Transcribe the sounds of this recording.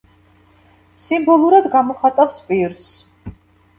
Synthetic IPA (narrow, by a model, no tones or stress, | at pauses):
simbɔlˠuɾad̪ɡamɔχat̪ʼafspʼiɾs